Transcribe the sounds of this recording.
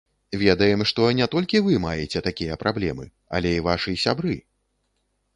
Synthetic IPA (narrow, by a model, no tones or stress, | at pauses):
vʲɛd̪ɐjɛmʂt̪ɔnʲɛt̪ɔlʲkʲivɨmajɛt͡sʲɛt̪akʲijɐpɾʔablʲɛmɨ | ɐ̰lʲɛivaʂɨsʲabɾɨ